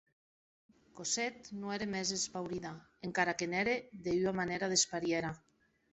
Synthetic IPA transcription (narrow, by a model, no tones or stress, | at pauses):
koset̪noeɾemezespawɾiðaeŋkaɾakeneɾeðeyamaneɾaðespaɾjeɾa